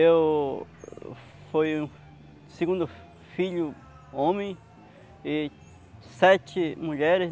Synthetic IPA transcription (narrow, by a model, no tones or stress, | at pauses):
ew | fojũ | seɡũnd̪ʊ | fiʎʊ | õmẽj̃ | i | sɛt͡ʃɪmũʎɛɾɪs